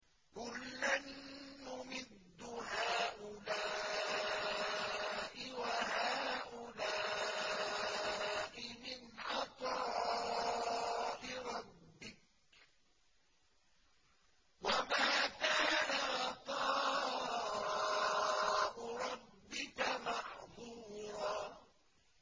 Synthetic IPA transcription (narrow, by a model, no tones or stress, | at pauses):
kʊlːanːʊmɪd̪ːʊhaːʔʊlaː | ʔɪwaɦaːʔʊlaː | ʔɪmɪnʕɑt̪ˤɑː | ʔɪɾˤɑbːɪk̚ | wamaːkaːnaʔɑt̪ˤɑː | ʔʊɾˤɑbːɪkamɑħðˤuːɾˤɑː